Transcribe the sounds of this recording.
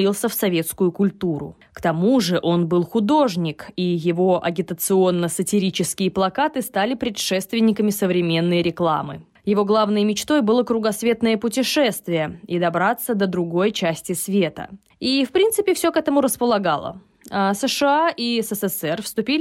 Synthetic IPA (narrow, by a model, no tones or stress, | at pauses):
ilˠsʲəfsɐvʲe̞t̪skʊjʊkʊlʲt̪uɾʊ̰ | kt̪ɐmuʐɨʔo̞nbɨlˠxʊd̪o̞ʐnʲɪkijɪvo̞ʔɐ̰ɡʲɪt̪ət̪sɨo̞nːəsətʲɪɾʲit͡ɕɪskʲɪjəplˠɐkat̪ɨst̪alʲɪpɾʲɪtʂɛst̪vʲɪnʲːɪkəmʲɪsəvɾʲɪmʲe̞nːɨjəɾʲɪklˠa̰mɨ̰ | jɪvo̞ɡlˠavnɨjəmʲɪt͡ɕt̪o̞jbɨlˠəkɾʊɡɐsvʲe̞t̪nəjəpʊtʲɪʂɛst̪vʲɪjəid̪ɐbɾat̪sːəd̪əd̪ɾʊɡo̞jt͡ɕæsʲtʲɪsvʲe̞t̪ə̰ | ifpɾʲint̪sɨpʲɪfsʲokɛt̪əmʊɾəspəlˠɐɡa̰lˠə̰ | asəʂɨaʔisɛsɛsɛrfst̪ʊpʲilʲ